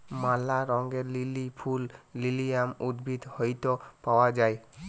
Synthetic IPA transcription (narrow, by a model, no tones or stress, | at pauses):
malaɾɔŋɡelilipʰulːilijamud̪bʱid̪hojt̪ɔpawad͡ʒaj